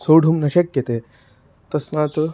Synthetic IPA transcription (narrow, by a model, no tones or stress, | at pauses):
soːɽʱumnɐɕɐkjɐt̪eː | t̪ɐsmaːt̪